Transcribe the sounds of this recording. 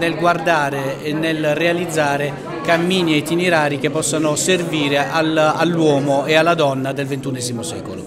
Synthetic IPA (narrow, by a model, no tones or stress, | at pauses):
nelɡward̪aːɾeɛnːelrealid̪zːaːɾe | kamːiːniɛt̪ːineɾaːɾik̟epːɔsːanʊserviːɾeʔalalːwɔːmoealːad̪ɔnːad̪elvent̪unɛːzimosɛ̰ːkolʊ̰